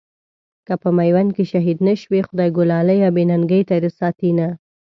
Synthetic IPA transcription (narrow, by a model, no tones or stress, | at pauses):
kapəmajwankeʃaɦid̪nəʃwexʊd̪ɑjɡʊlɑləjɑbenanɡəjt̪aɾəsɑt̪ina